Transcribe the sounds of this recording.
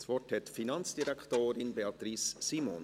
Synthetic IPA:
svɔthɛtfinɑnt͡sd̥iɾɛktoːɾɪnbeɑt̪ɾissiːmo̰n

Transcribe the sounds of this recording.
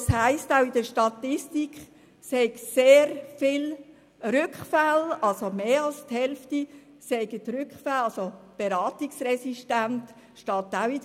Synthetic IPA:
shæɪstaʊid̥əɾʃtɑtɪstikχ | sɛɪɡseːɾfɪl | ɾʏkχfalɑlsomeːɑlsthɛlfti | sɛɪɡətɾʏkχfalɑlsob̥eɾɑːtiksɾɛsiʃtænt | ʃtɑːt̪awi

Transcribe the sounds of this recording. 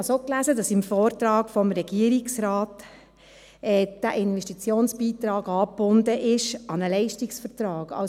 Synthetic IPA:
ɑsoːklæzədɑsɪmfɔːɾt̪ɾɑːkfɔmɾɛɡ̥iəɾɪksɾɑːt | ɛːd̥æʔɪnvɛʃtit͡sjoːnsb̥iːtɾɑːɡɑːpb̥ʊndəʔɪʃɑnəlɛɪʃtɪksfəɾtɾɑːɡɑ̰

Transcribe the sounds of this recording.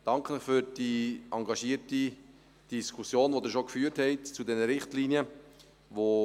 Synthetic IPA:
d̥ɑŋkʰənəχfʏɾd̥iʔɑŋɡɑʃiːəɾti | d̥iskʰusjoːnʋodɪɾʃokfyːəɾthɛɪtt͡sudɛnəɾɪχtliːniə | vo

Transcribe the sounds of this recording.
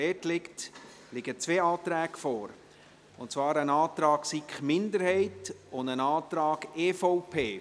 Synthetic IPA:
ɛːtlɪkt | lɪɡ̥ət͡sʋeːɑːt̪ɾɛːɡfɔːɾ | ʊntt͡svɑːɾənɑːt̪ɾɑːksikχmɪndəɾhɛɪtʊndənɑːt̪ɾɑːɡeːfɔʊpʰeː

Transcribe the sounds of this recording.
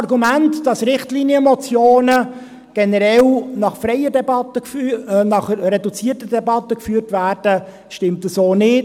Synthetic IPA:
ɾɡumæntd̥ɑsɾɪχtliːniəmɔt͡sjoːnə | ɡ̥ɛnəɾɛlnɑχfɾɛjədɛbɑtəknɑχɾɛdut͡siətədɛbɑtːəkfyːrtvæːɾd̥ə | ʃtɪmtəsoːnɪ

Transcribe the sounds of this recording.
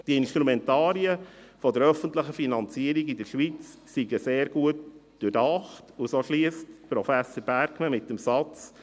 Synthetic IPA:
d̥iəɪnʃtɾumɛntɑːɾiəfɔdəɾœfəntləχəfinɑnt͡siəɾiɡidəʃʋit͡s | siɡəseːɾɡ̥uətd̥ʊdɑχtusoʃliəstpɾɔfæsəɾb̥æɾkməmɪtːəmsɑt͡s

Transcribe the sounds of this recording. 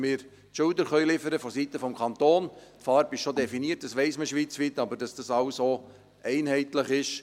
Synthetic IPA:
mɪːɾ | tʃʊldəɾχœʏlɪfəɾəfɔsitəfɔmkʰɑnt̪oːntfɑːɾbɪʃʃodɛfiniət̚d̥ɑsʋɛɪsməʃʋiːt͡sʋit̪ɑbəɾd̥ɑsd̥ɑsɑlsoː | ʔɛɪnhɛɪtləχɪʃ

